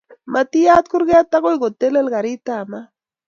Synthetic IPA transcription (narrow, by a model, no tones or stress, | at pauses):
mat̪ijat̪kʊɾɢeat̪aɣojɡot̪elelɡɑɾit̪ama